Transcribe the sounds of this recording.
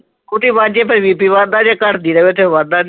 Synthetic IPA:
kʊʈiːbãːd͡ʒeːp̬əɾʋiːpiːʋãːd̪aːd͡ʒaːkəʈd̪iːɾəʋeːt̪ʰeːʋãːd̪aːn

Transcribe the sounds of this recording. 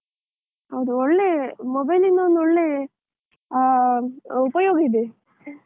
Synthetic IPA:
hɐwd̪uɔɭːeːmɔbɐjlinːuond̪ɔɭːe | upɐjoːɡɐid̪e

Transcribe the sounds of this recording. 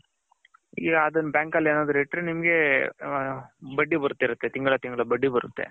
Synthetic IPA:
iːɡɐːd̪ɐnbaːŋkɐlːeːnaːd̪ɾiʈːɾenimɡe̞ | bɐɖːibɐɾut̪ːiɾut̪ːe̞t̪iŋɡɐɭɐt̪iŋɡɐɭɐbɐɖːibɐɾṵt̪ːe̞̰

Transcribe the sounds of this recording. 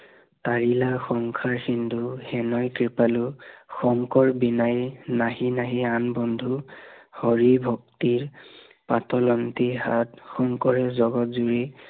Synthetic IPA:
taɹilaxɔŋkʰaɹxinduhɛnɔjkɹipaluxɔŋkɔɹbinajnaɦinaɦianbɔndʱuhɔɹibʱɔk̚tiɹ | patɔlɔntiɦatxɔŋkɔɹɛzɔɡɔtzuɹi

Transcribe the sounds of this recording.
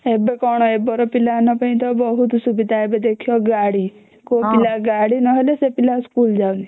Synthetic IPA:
ebekɔɽ̃ɔebɔɾɔpilanɔpə̃ĩt̪ɔbɔɦut̪subid̪ʱaebed̪ekʰijɔɡaɽi | kopilaɡaɽinɔɦelesepilaskuld͡ʒali

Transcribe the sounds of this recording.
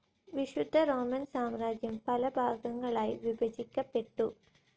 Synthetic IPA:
ʋiɕud̪ʱɐɾo̞ːmɐnsaːmɾaːd͡ʑjɐmpɐlɐbʱaːɡɐŋːɐɭaːjʋibɐd͡ʑikʲːɐpːe̞ʈːu

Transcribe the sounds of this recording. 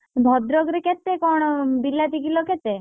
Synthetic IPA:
bʱɔd̪ɾɔɡɾeket̪ekɔɽ̃ɔbilat̪ikilɔket̪e

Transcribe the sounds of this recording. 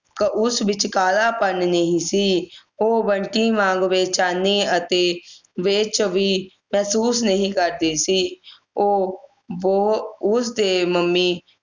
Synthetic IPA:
kəʔʊsʋɪt͡ʃkaːlaːpənnəɦĩːsiːoːbəɳʈiːmãːŋɡʋeːt͡ʃaːneːət̪eːʋeːt͡ʃʋiː | mɛːsuːsnəɦĩːkəɾd̪eːsiː | oː | ʋoʊsd̪eːməmːiː

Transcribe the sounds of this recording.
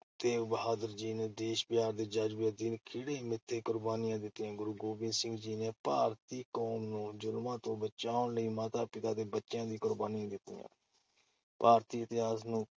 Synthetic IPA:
t̪eːbəɦaːd̪əɾd͡ʒiːneːd̪eːʃbɪɦaːɾd̪eːd͡ʒad͡ʒbeːd̪ɪnkʰɪɽeːmɪt̪ʰːeːkʊɾbaːnɪjãːd̪ɪt̪ːɪãːɡʊɾuːɡoːbɪ̃nsɪ̃ŋɡd͡ʒiːneːpaːɾt̪iːkoːmnũːd͡ʒʊlmãːt̪õːbət͡ʃaːʊɳləiːmaːt̪aːpɪt̪aːd̪eːbətːʃjãːd̪iːkʊɾbaːnijãːd̪ɪt̪ːḭjã̰ː | paːɾt̪iːət̪ɪɦaːsnũː

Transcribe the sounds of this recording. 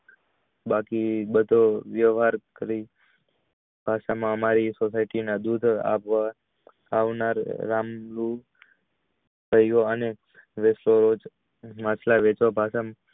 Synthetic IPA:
bakibəd̪ʱoʋjəʋɦaɾkəɾi | b̥ʱaʃamãəmaɾisɔsaiʈinãd̪ud̪ʱa̰ʋʋa | aʋnaɾːamlu | kəjʋoəne | ʋesloɾod͡ʒ | mat͡ʃʰlaʋet͡ʃʋabʱaʃam

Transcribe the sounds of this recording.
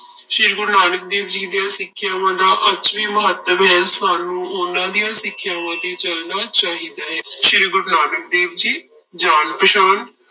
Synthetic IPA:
ʃɪːɾɡʊɾnaːnək̚d̪eːʋd͡ʒiːd̪ɪjaːsɪkʰːjaːʋãːd̪aːʔət͡ʃʋiːməɦət̪ːəmɦɛːsaːnũːʊnãːd̪ijãːsɪkʰːjaːʋãːd̪iːt͡ʃəlnaːt͡ʃaːɦiːd̪aːɦɛːʃɪɾɡʊɾnaːnək̚d̪eːbd͡ʒiː | d͡ʒaːnpəʃaːn

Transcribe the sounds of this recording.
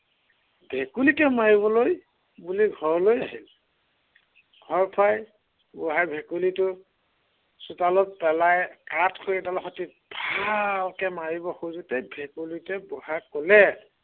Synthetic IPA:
bʱekulikɛmaɹibɔloj | buliɡʱɔɹlojaɦil | ɡʱɔɹpʰaj | bɔɦajbʱekulitʊ | sutalɔt̚pɛlajkatʰxʰoɹidalɔxɔti | bʱalkɛmaɹibɔxuzutɛbʱekulikɛbɔhakɔlɛ

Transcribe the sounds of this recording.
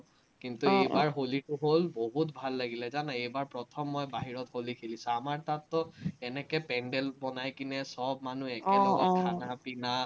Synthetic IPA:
kintuejbaɹɦolitʊɦolboɦutbʱalːaɡilɛzanaejbaɹpɹɔtʰɔmːɔjbaɦiɹɔtholikʰilisɔamaɹtatːɔɛnɛkɛpɛɳɖɛlbɔnajkinɛsɔb̚manuɛkɛlɔɡɔtkʰanapina

